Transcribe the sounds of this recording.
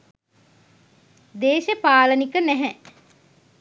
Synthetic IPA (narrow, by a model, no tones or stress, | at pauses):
d̪eːʃəpaːlənikənæɦɛ